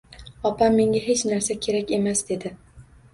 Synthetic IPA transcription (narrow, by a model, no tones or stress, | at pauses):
ɒpʰamːe̞ŋʲaɦe̞t͡ʃnaɾsakʲʰe̞ɾakʲe̞masd̪e̞d̪ɪ